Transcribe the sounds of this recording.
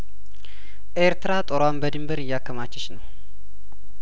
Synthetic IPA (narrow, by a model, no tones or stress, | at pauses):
ʔeɾt̪ʰɨɾat̪ʼoɾwambəd̪ɨmbəɾɨjːakʰːəmat͡ʃːɛt͡ʃnəw